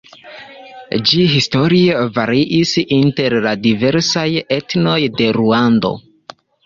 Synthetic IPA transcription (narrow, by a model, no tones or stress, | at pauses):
d͡ʒiɦisto̞ɾievaɾiʔisinte̞ɾladive̞ɾsaje̞tno̞jde̞ɾuando̞̰